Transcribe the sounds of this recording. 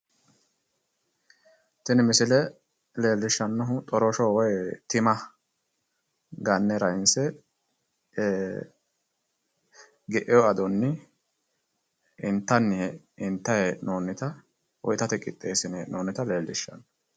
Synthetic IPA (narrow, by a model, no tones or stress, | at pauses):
t̪ɪnmɪsɪlɛ | le̞ːlːɪʃːɐnːɔɦʊt̪ʼɔɾɔʃɔwɔjt̪ɪmɐ | ɡɐnːɛɾɐɪnsɛ | ɡɛʔɛjɔɐd̪ɔnːɪ | ɪnt̪ːɐnːɪ | ɪnt̪ːɐhenoːnːɪt̪ɐ | wɔ̰jt̪ɐt̪ɛkʼːɪ̰t̪ʼːe̞ːsɪnenʔoːnːɪt̪ɐle̞ːlːɪʃːɐ̰nː